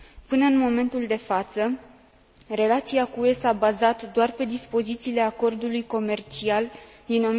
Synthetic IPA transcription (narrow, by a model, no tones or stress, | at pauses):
pɨnəɨnmo̞me̞nt̪uld̪e̞fat̪sə | re̞lat̪siakuesabazat̪d̪oarpe̞d̪ispo̞zit̪siːle̞ako̞rd̪ulujko̞me̞rt͡ʃial | d̪ino